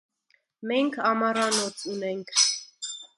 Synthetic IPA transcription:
mɛŋkʰɑmɑɾɑnɔt͡sʰunɛŋkʰ

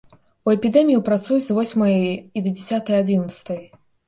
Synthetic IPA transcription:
uɛpʲid̪ɛmʲijipɾat̪sujuzvɔsʲmɐjid̪ɐd͡zʲɛsʲat̪ɐjad͡zʲinɐt̪st̪ɐj

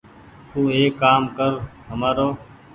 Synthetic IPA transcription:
t̪uːeːkːaːmkəɾɦəmaːɾoː

